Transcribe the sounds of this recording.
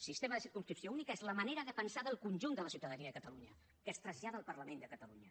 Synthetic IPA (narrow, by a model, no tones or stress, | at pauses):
sist̪eməðəsiɾkumskɾipsiounikəezləməneɾəðəpənsaðəlˠkunʲʒund̪ələsiwt̪əðəniəðəkət̪əluɲə | kəst̪ɾəzʎaðəːlˠpərləmend̪əkət̪əluɲə